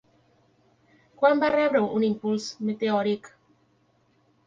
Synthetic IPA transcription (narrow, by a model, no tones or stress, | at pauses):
kwambaɾɛbɾəŋʔunimpulsmet̪eɔɾik